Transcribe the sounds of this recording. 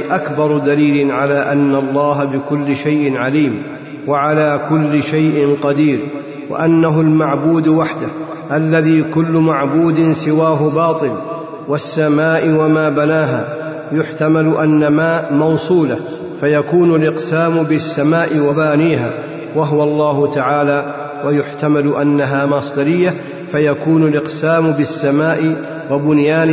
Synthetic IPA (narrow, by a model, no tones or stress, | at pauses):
ʔakbɑɾˤd̪aliːlɪnʕalaːʔanːalˤːɑːɦabɪkʊlːɪʃajʔɪnʕaliːm | waʕalaːkʊlːɪʃajʔɪnqɑd̪iːɾ | wa̰ʔanːaɦʊlmaʕbuːd̪waħd̪ah | ʔalːaðiːkʊlːʊmaʕbuːd̪ɪnsɪwaːɦʊbɑːt̪ˤɨl | wasːamaːʔɪwamaːbanaːɦaː | jʊħt̪amalʊʔanːamaːmɑwsˤuːla | fajakuːnʊlʔɪqsaːmʊbɪsːamaːʔɪwabaːniːɦa̰ː | waɦʊwɑlˤːɑːɦʊt̪aʕaːlaː | wajʊħt̪amalʊʔanːaɦaːmɑsˤd̪ɑɾɪjːa | fajakuːnʊlʔɪqsaːmʊbɪsːamaːʔɪ | wabʊnjaːn